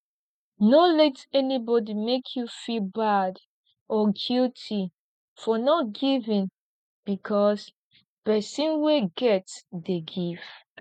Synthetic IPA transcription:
nolɛtɛnibɔdimekʰjufilbad | ɔɡultʰi | fɔnɔtɡivĩn | b̥ikʰɔs | pɛsĩnweɡɛtdeɡiv̥

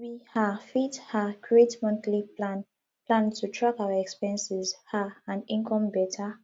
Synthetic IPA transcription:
wihafithakʰɹietmɔ̃nθlia | plãntʰutʰɹakaʊaɛkspɛ̃nsizhaãnĩnkʰɔ̃mbɛtʰa

